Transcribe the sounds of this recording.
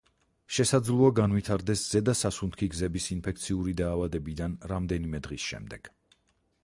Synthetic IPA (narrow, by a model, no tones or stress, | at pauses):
ʃɛsad̪zlˠuaɡanvwit̪ʰaɾd̪ɛsz̥ɛd̪asasunt̪kʰiɡzɛbisinpʰɛkt̪sʰiuɾid̪aːvad̪ɛbid̪anɾamd̪ɛnimɛd̪ʁisʃɛ̰md̪ɛɡ̥